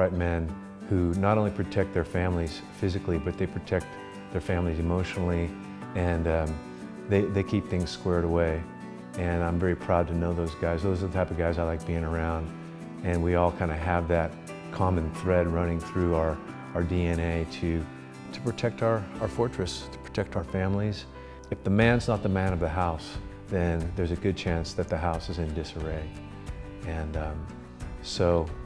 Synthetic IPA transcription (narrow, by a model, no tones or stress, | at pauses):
ɹaɪt̚mɛ̃n | hunəɾõʊ̃nlipʰɹ̥ɨtʰɛk̚t̪̚ðə˞fæ̃mliz̥fɪzɨklibʌt̪̚ðeɪpʰɹ̥ɨtʰɛk̚t̪̚ | ðə˞fæ̃mlizɨmoʊʃnl̩ˠi | ɨ̃nʌ̃ | ðeɪðeɪkʰip̚θɪ̃ŋz̥skwɛɹɾəweɪ | ɨ̃nãɪ̃ɱvɛɹipʰɹ̥aʊd̚tʰɨnoʊðoʊzɡaɪzðoʊzə˞ðətʰaɪpʌvɡaɪzaɪlaɪk̚b̥iɪ̃ŋə˞ãʊ̃nd | ɨ̃nwiɔlˠkʰãɪ̃ndɨəvðɨt̚ | kʰɑmɨ̃nθɹɛd̚ɹʌ̃nɪ̃ŋθɹʉ˞ | ə˞diɛ̃neɪɾɨ | ɾʰɨ̥pʰɹ̥ɨtʰɛk̚taə˞aʊə˞fɔɹt͡ʃɹ̥ɨstʰə̥pʰɹ̥ɨ̥tʰɛk̚taʊə˞fæ̃mliz | ɨfðəmæ̃nznət̪̚ðəmæ̃nʌvðɨɦaʊs | ðɨ̃nðə˞zɨɡʊd̚t͡ʃʰæ̃nsðɨt̪̚ðɨɦaʊsɨzɨ̃ndɪsə˞eɪ | ɨ̃nʌ̃ | soʊ